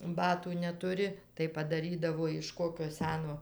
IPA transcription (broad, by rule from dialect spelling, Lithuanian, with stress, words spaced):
ˈbɑːtuː nʲɛtʊˈrʲɪ tɐɪ pɐdɐˈrʲiːdɐʋoː ɪʃ ˈkoːkʲoː ˈsʲæːnoː